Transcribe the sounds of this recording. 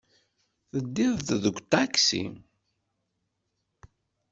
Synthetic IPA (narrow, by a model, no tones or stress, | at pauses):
θəd̪ːɪðððəɡʷt̪aksḭ